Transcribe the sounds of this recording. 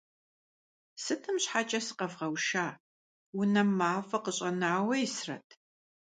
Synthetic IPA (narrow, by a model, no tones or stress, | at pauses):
sɨtʰɨmɕħat͡ʃʼɐsɨ̥qɐvʁɐwʃaː | wʊnɐmaːfɐqəɕʼɐnawɐjɪsrɐ̰tʰ